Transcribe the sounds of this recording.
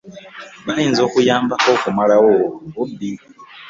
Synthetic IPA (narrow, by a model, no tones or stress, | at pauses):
βajiːnzo̞ːkujaːmbako̞kumalawoubi